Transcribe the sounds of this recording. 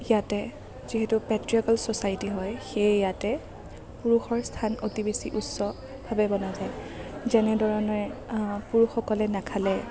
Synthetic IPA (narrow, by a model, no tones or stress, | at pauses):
jatɛ | ziɦetupɛtɹiɔkalsɔsajtiɦɔjxejjatɛ | puɹuxɔɹstʰanotibesiʔutsɔ | bʱabɛbɔnazaj | zɛnɛdʱɔɹɔnɔɹɛpuɹuxɔkɔlɛnakʰalɛ